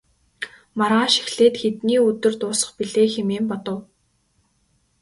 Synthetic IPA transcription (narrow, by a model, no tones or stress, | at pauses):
maɾʁaːʃi̥xɮeːt̪xet̪niːɵt̪ɵ̆rt̪ʊːsə̆χpiɮeːxemeːmpɔt̪ɞ̆w